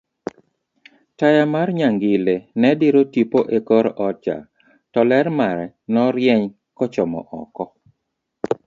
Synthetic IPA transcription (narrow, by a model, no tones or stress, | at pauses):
tajamarɲaŋɡɪlenɛdɪɾotipoʔekɔɾʔɔt͡ʃa̰ | tɔlɛɾmaɾɛ | nɔɾjɛɲ | kɔt͡ʃɔmɔ̰ʔɔ̰kɔ